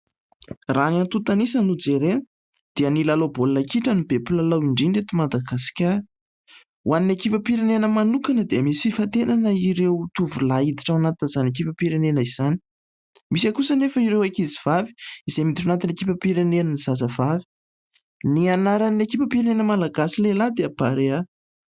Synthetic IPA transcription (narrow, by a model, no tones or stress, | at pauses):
raniant̪ut̪anisənud͡zeɾenə̥ | d̪̥iənilalobolnakiʈ͡ʂənibepulalawiɳɖ͡ʐinɖ͡ʐet̪imad̪aɡasi̥kʲaɾ | waninekipʲapiɾenenəmanukanəd̪eəmisi̥fifat̪enanəiɾewt̪uvulaid̪iʈ͡ʂawanat̪inəzanekipapiɾenenəiz̥ani̥ | misakusənefəiɾewajkiziv̥avi̥izemit̪uanat̪inekipʲəpiɾenenniz̥azəv̥avi̥ | nianaɾanekipʲapiɾenenəmalaɡasilelad̪eapaɾea